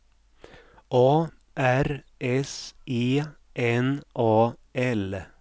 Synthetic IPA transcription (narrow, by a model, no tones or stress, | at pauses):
ʔoː | ʔæɾ | ʔɛsʔiː | ʔɛnʔoːɛl